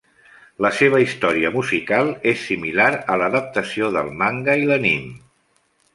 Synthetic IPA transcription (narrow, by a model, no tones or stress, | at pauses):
ləseβ̞əist̪ɔɾiəmuzikalˠesːimilaɾələðəp̚t̪əsioðə̰lˠmaŋɡəilənim